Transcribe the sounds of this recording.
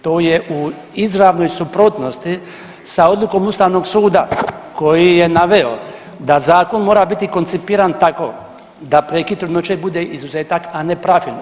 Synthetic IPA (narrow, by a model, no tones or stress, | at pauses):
t̪o̞ːjeʔu | izɾaʋno̞jsupɾot̪no̞st̪i | sao̞d̪lˠuko̞must̪aːʋno̞ɡsuːd̪ako̞jije̞naʋeo̰ | d̪azaːko̞nmo̞ːɾabit̪iko̞nt̪sipiːɾant̪ako̞̰ | d̪apɾekit̪ɾed̪not͡ʃebud̪eʔizuzeːt̪akane̞pɾafino